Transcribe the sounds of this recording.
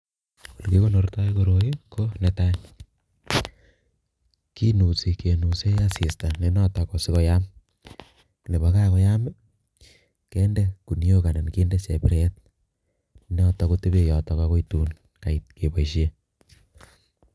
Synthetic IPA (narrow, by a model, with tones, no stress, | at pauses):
o˨lke˦ko˦no˨rta˦ikoɾo˨iko˦nɛta˦ | ki˦nu˨si˨ke˨nu˨se˦asi˨sta˨ne˨nɔ˦tɔkɔ˨si˦kɔ˦jam | le˨βa˦ka˦kɔ˦ja˦mɛ˦ | kɛ˦ndɛ˦ku˨ni˦o˦ka˨na˨nke˦ndɛ˦se˨pɪɾet̚ | nɔ˦tɔ˧kote˦βe˨jɔ˨tɔ˨ka˦ko˦ituːn | ka˨it̚ke˨pa˨iʃje˦